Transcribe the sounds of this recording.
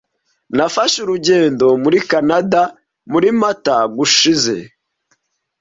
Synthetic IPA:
nafaʃuɾuɟe̞ːndo̞muɾikanada | muɾimataɡuʃize̞̰

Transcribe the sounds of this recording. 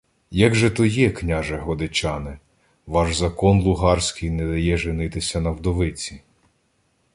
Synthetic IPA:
jɐɡʒɛt̪ɔjɛknʲaʒɛɦɔd̪ɪt͡ʃɑnɪ | ʋɑʒzɐkɔnlˠʊɦɑrsʲkɪjnɛd̪ɐjɛʒenɪt̪ɪsʲɐnɐwd̪ɔʋɪt͡sʲi

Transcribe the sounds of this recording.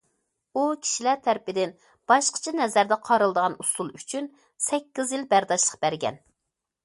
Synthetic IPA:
ukʲʰi̥ʃilæɾt̪ʰæɾɪpɪd̪ɪn | b̥ɑʃqʰə̥t͡ʃʰɛnɛzæɾd̪ɛqʰɑɾɨlˠd̪əʁɑnusulˠyt͡ʃʰyn | sɛkʲːizjilbæɾd̪ɑʃlˠəqbæɾɡʲɛ̰n

